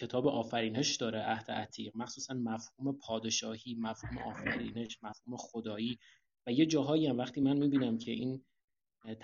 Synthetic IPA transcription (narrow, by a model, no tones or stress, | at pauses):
cʰe̞t̪ʰɒːbeʔɒːfæɾiːne̞ʃd̪ɒːɾeʔæhd̪̥ḛʔæt̪ʰiːɢmæxsuːsænmæfhuːme̞pʰɒːd̪e̞ʃɒːhiːmæfhuːme̞̰ʔɒːfæɾiːne̞ʃmæfhuːme̞xod̪ɒːiː | væjed͡ʒɒːɦɒːiæmvæxt̪iːmænmiːbiːnæmcʰe̞ʔiːn | t̪ʰ